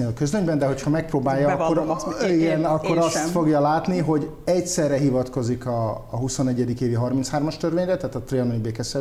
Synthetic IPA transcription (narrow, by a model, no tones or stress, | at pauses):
elɒkøzløɲbɛnd̪ɛɦo̞chɒmɛk̚proːbaːjːɒkːoɾiɡɛnɒkːo̞ɾɒst̪fo̞ɡjɒlaːt̪niɦo̞ɟ | ɛcsɛrːɛɦivɒt̪ko̞zikɒːɦuso̞nɛɟːɛd̪ikeːviɦɒrmint̪shaːrmɒʃt̪ørʋeːɲrɛt̪ɛɦaːt̪ɒt̪reɒnojbeːkɛsɛ